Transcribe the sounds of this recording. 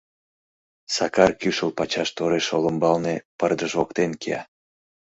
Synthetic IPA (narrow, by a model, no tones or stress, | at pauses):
sɑkɑrkyʃəlpɑt͡ɕɑʃt̪oɾeʃoləmbɑlnepərd̪əʒokt̪enkḛɑ̰